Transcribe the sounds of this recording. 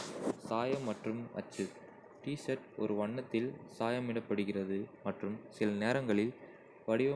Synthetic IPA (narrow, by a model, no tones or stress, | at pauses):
saːjɐmːɐʈrɯmɐ̰t͡ʃːɯ | ʈiːsɐʈɔ̰ɾɯʋɐɳːɐt̪ːɪlsaːjɐmɪɽɐpːɐɽɯɣɪrɐðɯmɐʈrɯmsɪlɐneːɾɐŋɡɐɭɪl | ʋɐɽɪʋɐ